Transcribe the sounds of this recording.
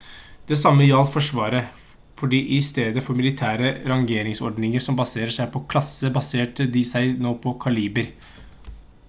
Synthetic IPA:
d̪̥ɛsɑmːəɪɑlfɔʂʋɑːɾə | fɔɖiːʔɪst̪eːd̪əfɔɾmɪlɪt̪ʰæːɾəɾɑŋɡeːɾɪŋsɔ̰ɖnɪŋəʂɔmbɑseːɾəʂæɪpʰɔkʰlɑsːəbɑseːʈəd̪ɪsæɪnoːpʰɔkʰɑliːbəɾ

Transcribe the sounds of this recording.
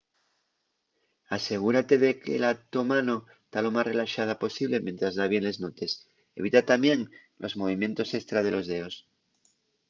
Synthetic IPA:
ase̞ɣ̞uɾat̪e̞ðekḛlat̪omanoest̪alo̞masre̞laʃað̞apo̞siβ̞le̞mjent̪ɾazðaβje̞nle̞znot̪e̞s | ḛβ̞it̪at̪amje̞ŋ | lʔo̞̰zmo̞βimjẽ̞nt̪o̞sekst̪ɾað̞e̞lʔo̞zðeos

